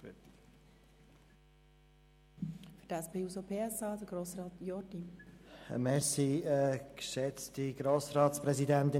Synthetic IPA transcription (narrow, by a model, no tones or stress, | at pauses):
fy̥d̥ɛspʰeːusopʰeːɛsɑːd̥̪əɡ̥ɾoːsɾɑːtjɔɾdinə̰mɛsiɛkʃɛt͡stiɡɾoːsɾɑːtspɾɛzidænt̪ɪ